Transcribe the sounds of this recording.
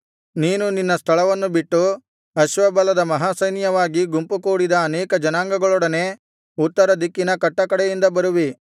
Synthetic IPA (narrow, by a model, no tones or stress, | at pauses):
niːnuninːɐst̪ʰɐɭɐʋɐnːubiʈːu | ɐʃʋɐbɐlɐd̪ɐmɐɦaːsɐjnjɐʋaːɡiɡumpukuːɽid̪ɐːnɛːkɐd͡ʒɐnaːŋɡɐɡɐɭɔɽɐne̞ː | ut̪ːɐɾɐd̪ikːinɐkɐʈːɐkɐɽɛjind̪ɐbɐɾuʋi